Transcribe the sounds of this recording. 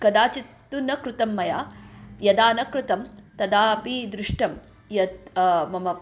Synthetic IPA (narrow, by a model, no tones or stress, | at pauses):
kɐd̪aːt͡ʃit̪ːunɐkɾut̪ɐmːɐjaːjɐd̪aːnɐkɾut̪ɐmt̪ɐd̪aːpid̪ɾuʂʈɐm | jɐt̪mɐmɐ